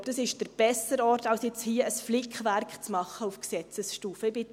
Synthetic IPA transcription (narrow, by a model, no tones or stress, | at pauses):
d̥ɑsɪʃd̥əɾb̥ɛsəɾɔrtɑwsjɛt͡shiəəsflɪkχʋærkχt͡smɑχːəufksɛt͡səsʃtuːfəɪbɪ